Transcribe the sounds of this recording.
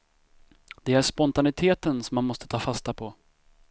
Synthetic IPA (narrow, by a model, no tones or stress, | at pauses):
d̪̥ɛæʂpɔnt̪anɪt̪ʰeːt̪ənsɔmːanmɔst̪ə̥t̪ʰɑːfast̪apʰɔ